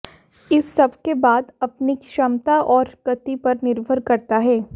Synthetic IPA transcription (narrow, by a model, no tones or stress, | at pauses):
ɪsːɐbʱkebaːd̪ɐpniʃɐmt̪aʔɔːɾkɐt̪ipɐɾnɪɾbʱəɾkɐɾt̪aɦɛː